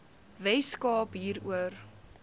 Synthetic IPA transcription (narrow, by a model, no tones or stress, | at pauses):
vɛjskɑːpɦiːɾuər